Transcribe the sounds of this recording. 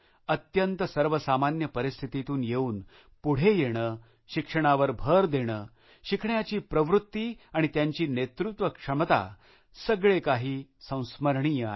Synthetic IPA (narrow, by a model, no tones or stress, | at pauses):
ət̪jənt̪əsəɾʋəsamanjəpəɾist̪ʰit̪it̪uːnjeuːn | puɽ̤ejeɽ̃əː | ɕikʂəɽ̃aʋəɾbʱəɾd̪eɽ̃əː | ɕikʰɳjat͡ɕiːpɾəʋɾut̪ːiːaɽ̃it̪jaɲt͡ɕiːnet̪ɾut̪ʋəkʂəmt̪a̰ | səɡɭekaɦiːsə̃w̃sməɾɳijəa